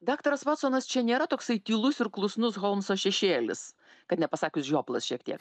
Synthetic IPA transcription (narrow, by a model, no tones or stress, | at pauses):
d̪ɑːkt̪ɐɾɐsʋɑːt̪soːnɐst͡ʃʲɛnʲeːɾɐt̪oːksɐɪt̪ʲiːlˠʊsɪɾklˠʊsnʊsɣoːlˠmsoːʃʲɛʃʲeːlʲɪs | kɐt̪nʲɛpɐsɑːkʲʊsʒʲoːplˠɐsʃʲiɛkt̪ʲiɛk